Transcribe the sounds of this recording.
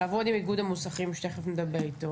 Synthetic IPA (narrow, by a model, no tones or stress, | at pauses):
aːvod̪imiɡudamusaχimʃt̪eχefned̪abeʁit̪o